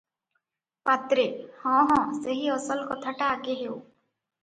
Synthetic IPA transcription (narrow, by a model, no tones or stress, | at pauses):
pat̪ɾehɔ̃ɦɔ̃seɦiɔsɔlkɔt̪ʰaʈakeɦew